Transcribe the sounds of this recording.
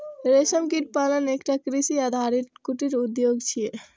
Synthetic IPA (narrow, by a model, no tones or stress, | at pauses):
ɾesəmkiʈ̚palənekʈakɾisiad̪ʱaɾit̪kuʈiɾud̪joɡt͡ʃʰije